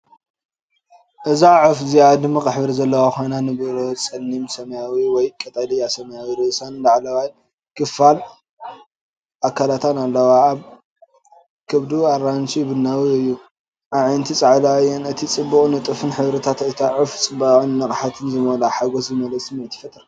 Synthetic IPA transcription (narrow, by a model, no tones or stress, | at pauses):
ʔɨzaʕufzijad̪ɨmːikʼɨħbɨɾizɐlːɐwaxojnanɨbɨɾot͡sʼɐnːimsɐmjawiwɔjkʼɐt̪ʼalijasɐmɐjawiɾɨʔɨsandaʕlɐwaj | kɨfal | ʔakʰːalat̪ʰanalːɐwaːβ | kʰɨβd̪uaɾansibɨnːawiɨjːu | ʔaʕjnt̪ʰit͡sʼaʕlaajɛnɨt̪ʰit͡sʼɨbːukʼnɨt̪ʼɨfɨnħɨβɾɐt̪ʰat̪ɐjt̪ʰaʕuft͡sʼɨbaʔʼnnɐkʼħat̪ʰɨnzɨmolaħaɡoszɨmɐlɐsʼɨmiʕt̪ʰːifɐt̪ʼɨɾ